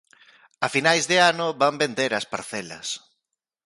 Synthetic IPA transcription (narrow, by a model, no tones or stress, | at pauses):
ɐfinajzðɪanʊβambend̪eɾɐspaɾθɛlɐ̰s